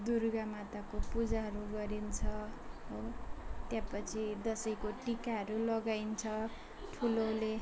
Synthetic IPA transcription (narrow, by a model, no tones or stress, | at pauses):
d̪urɡamat̪akopud͡zaɦʌɾuɡʌɾint͡sʰʌɦot̪jãpʌt͡sʰid̪ʌsʌjkoʈikaɦʌɾulʌɡajnt͡sʰʌ | ʈʰulole